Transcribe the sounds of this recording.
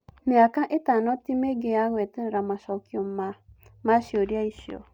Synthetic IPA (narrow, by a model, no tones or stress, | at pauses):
miakaʔetanɔtimeɡejaɣwɛtɛɾɛɾamaʃɔkiɔmamaʃjoɾjaiʃio̰